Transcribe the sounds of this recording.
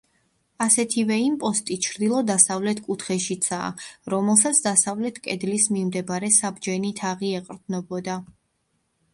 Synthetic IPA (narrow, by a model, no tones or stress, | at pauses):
asɛt̪ʰivɛimpʼɔst̪ʼit͡ʃʰɾd̪ilˠɔd̪asavlɛt̪ʰkʼut̪ʰχɛʃit̪sʰa̰ːɾɔmɛlˠsat̪sʰd̪asavlɛt̪ʰkʼɛd̪lismimd̪ɛbaɾɛsabd͡ʒɛnit̪ʰaʁiɛqʼɾd̪nɔbɔd̪a